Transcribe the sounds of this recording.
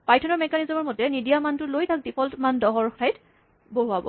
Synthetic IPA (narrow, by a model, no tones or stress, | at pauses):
pajtʰɔnɔɹmɛkanizɔmɔɹmɔtɛnidijamantʊlojtʰak̚dipʰɔltmandɔɦɔɹxajt | boɦuabɔ̰